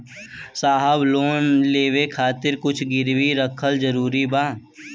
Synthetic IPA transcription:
saːɦəbloːnleːʋekʰaːt̪ɪɾkʊt͡ʃʰɡɪɾwiɾəkʰəld͡ʒəɾuːɾibãː

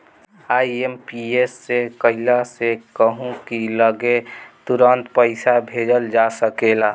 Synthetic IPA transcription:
aːiempiesːekəɪlasekəɦũkiləɡet̪uɾənt̪pəɪsabʱed͡ʒəld͡ʒasəkela

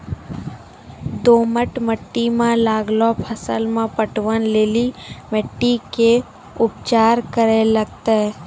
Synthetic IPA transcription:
d̪oːməʈməʈːimãlaːɡlopʰəsə̰lmẽpəʈʋənleːlimeʈːike | ʊp̚t͡ʃaːɾkəɾeləɡ̚t̪eɦɛ

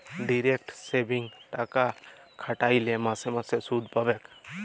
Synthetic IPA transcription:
ɖiɾekʈsebiŋʈakakʰaʈajlɛmasɛmasɛsud̪ʱpabɛk

